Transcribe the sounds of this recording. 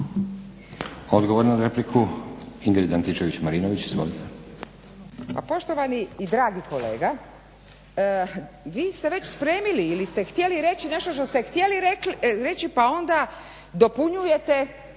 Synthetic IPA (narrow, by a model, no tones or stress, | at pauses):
o̞d̪ɡoʋoɾnad̪ɾeplikʰuiŋɡɾid̪ant̪it͡ʃeʋit͡ɕmaɾinoʋit͡ɕizʋo̰lit̪ʰe | pa̰po̞ʃt̪oʋaniːd̪ɾaːɡiko̞le̞̰ːɡa | ʋiːst̪eʋe̞t͡ɕspɾe̞ːmiliːlist̪e̞xt̪jeliɾe̞t͡ɕine̞ʃt̪oʃt̪o̞st̪ext̪je̞liɾeɾe̞t͡ɕipao̞nd̪a | d̪o̞puɲuje̞t̪e̞